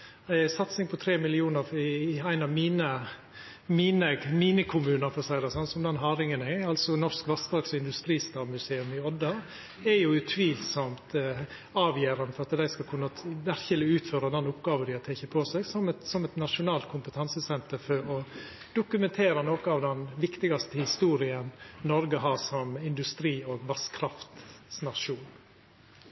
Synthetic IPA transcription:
sɑt̪sɪŋpʰɔt̪ʰɾeːmɪlɪuːnəɾɪæɪnɑʋmiːnə | miːnəmiːnəkʰʊmʉːnəɾfɔsæɪd̪əsɑnsɔmd̪ɛnɦɑːɾɪŋənæɑlsɔnɔɾskʋɑsd̪ɑːksɪnd̪ʉst̪ɾiːst̪ɑːmʉseːʉmɪɔd̪ːɑ | ɛjʊʉt̪ʰʋiːlsɔmt̪ | ɑːʋjeːɾɑnəfɔɾɑt̪d̪æɪskɑkʰʉnːəʋæɾçəlɪʉːt̪føːɾɑd̪ɛnʊpɡɑːʋəd̪ɪɔt̪ʰɛçəpʰoːsɛɡsɔmɛsɔmɛt̪nɑʂʊnɑːlt̪̚kʰʊmpət̪ʰɑnsəsɛnt̪əɾfɔɾɔ | d̪̥ʊkʉmɛnt̪ʰeːɾɑnoːkəɑːʋd̪ɛnʋɪkt̪ɪɡɑst̪əhɪst̪uːɾɪənnɔɾɡəɦɑːsɔmɪnd̪ʉst̪ɾiːoːɡʋɑskʰɾɑft̪snɑʂuːn

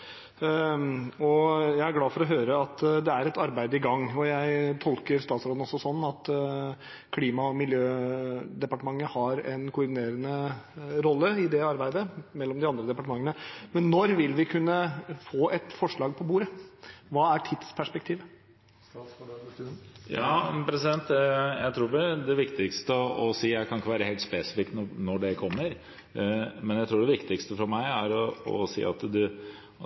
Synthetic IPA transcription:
ɔjæɪæɾɡlɑːfɔɾɔɦøːɾəɑt̪d̪ɛæɾɛt̪ɑɾbæɪd̪əɪɡɑŋːɔjæɪt̪ʰɔlkəɾst̪ɑːt̪sɾoːd̪n̩ɔsɔsɔnːɑt̪ | kʰliːmɑɔmɪljøːd̪ɛpɑʈəmɑŋːəhɑɾɛnkʰʊʊɾɖ̪ɪneːɾənəɾɔlːəɪd̪ɛɑɾbæɪd̪əmɛlːɔmd̪ɪɑnd̪ɾəd̪ɛpɑʈəmɑŋːənəmɛnːɔɾʋɪlʋɪkʰʉnːəfoːʔɛt̪fɔʂɭɑːɡ̚pʰɔbuːɾəʋɑːæʈʰɪd̪spʰæʂpɛk̚t̪ʰiːʋə | jɑːpʰɾɛsɪd̪ɛnt̪jæɪt̪ʰɾuːɖɛd̪ɛʋɪkt̪ɪkst̪əɔsiːjæɪkʰɑnɪkːəʋæːɾəheːlt̪speːsɪ̥fɪkt̪nɔnɔɖɛkʰɔmːəɾ | mɛnjæɪt̪ɾuːɖɛʋɪkt̪ɪkst̪əfɔɾmæɪæɾɔɔ̰sḭːɑ̰t̪d̪ʉ

